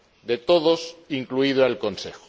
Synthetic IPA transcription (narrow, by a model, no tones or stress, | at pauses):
d̪e̞t̪oðo̞siŋkluið̞oalko̞nsexo̥